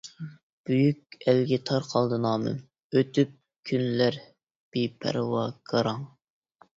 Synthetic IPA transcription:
b̥yjykʲælɡʲɛt̪ʰɑɾqʰɑlˠd̪ɨnɑːmɨ̰n | øt̪yp̚ | kʲʰynlæɾ | b̥ipʰæ̰ɾwɑɡ̥ɑɾɑŋ

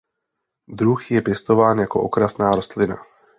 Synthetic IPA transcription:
d̪ɾuxjɛpjɛst̪o̞vaːnjako̞̰ʔokɾasnaːɾost̪lɪna̰

